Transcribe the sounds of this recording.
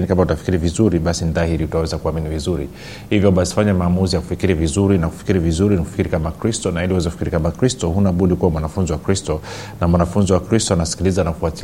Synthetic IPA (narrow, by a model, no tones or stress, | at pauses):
nikamautafi̥kiɾivizuɾiɓasinðahiɾiutawɛzakuaminivizuɾḭ | hivjɔɓasi̥faɲamaːmuzijaku̥fikiɾivizuɾinaku̥fi̥kiɾivizuɾiniku̥fi̥kiɾikamakɾistɔnailiuwɛzakufikiɾikamakɾistɔhunaɓuɗikuwamwanafunziwakɾistɔ | namwanafunziwakɾistɔanasi̥kilizanakufati